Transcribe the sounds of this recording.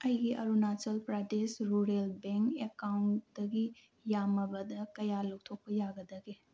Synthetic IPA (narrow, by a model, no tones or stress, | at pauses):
ɐjɡiʔɐ̰ɾunat͡ʃɐlpɾadesɾuɾelbeŋkekawndɐɡi | jamɐbɐdɐkɐjaluk̚tʰok̚pɐjaɡɐdɐɡe